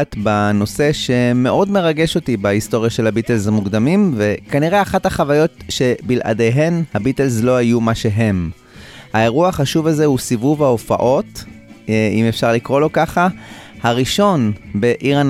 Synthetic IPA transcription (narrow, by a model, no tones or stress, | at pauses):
t̪bano̞se̞ʃe̞me̞ʔo̞dme̞ʁaɡe̞ʃo̞tibahisto̞ʁjaʃe̞lhabitelzamuɡd̪amimve̞kaniʁe̞aχathaχavajo̞tʃe̞bilʔa̰de̞jɦe̞nhabitelzlo̞ɦajumaʃe̞ɦe̞m | hae̞ʁuahaχaʃuvaze̞husivuvhaofa̰ʔo̞t | imefʃaʁlikʁo̞lo̞kaχahaʁiʃo̞nbe̞ʔiʁan